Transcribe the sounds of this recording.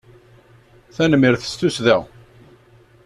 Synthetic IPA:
θænəmːiɾθə̥st̪ːusðæ

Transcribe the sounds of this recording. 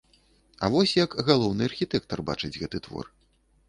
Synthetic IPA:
ɐ̰vɔsʲjɐkɣalˠɔwnɨɐrxʲit̪ɛk̚t̪ɐrba̰t͡ʂɨd͡zʲɣɛt̪ɨt̪vɔ̰r

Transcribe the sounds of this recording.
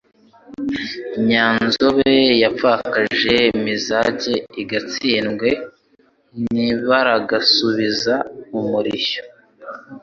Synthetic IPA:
ɲaːnnzoβe̞jafakaʒe̞mizaɟe̞iɡat͡siːnɡwe̞ | niβaɾaɡasuβizaumuɾiço̥

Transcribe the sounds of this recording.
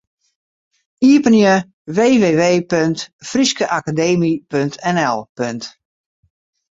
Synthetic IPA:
iəpənjə | ʋeːʋeːʋeːpøntfriskəʔakadeːmipøntʰɛnɛlˠpønt

